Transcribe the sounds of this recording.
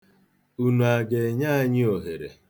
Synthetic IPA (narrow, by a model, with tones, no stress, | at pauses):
u˦nu˨a˨ɡe˨ɲa˦a˦˨ɲɪ˦o˨ɦe˨ɾḛ˨